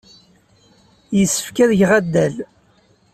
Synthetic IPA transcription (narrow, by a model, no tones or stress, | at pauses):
jəsːə̥fkæðəʝʁæd̪ːæl